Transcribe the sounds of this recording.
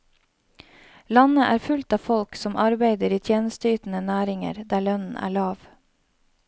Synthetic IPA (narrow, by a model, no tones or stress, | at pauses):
lɑnəʔæːɾfʉlt̪ɑːfɔlksɔmʔɑɾbeɪd̪əɾiːt̪ʰjeːnəst̪əyːt̪n̩ənæːɾɪŋə̰ɾd̪æːɭœnn̩ʔæ̰ːɭɑːʋ